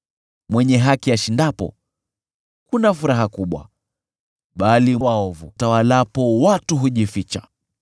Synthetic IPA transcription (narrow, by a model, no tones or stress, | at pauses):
mwɛɲɛɦakijaʃindapɔ̰ | kunafuɾaɦakuɓwa̰ | ɓaliwaɔvutawalapɔwatuɦuʄifit͡ʃa̰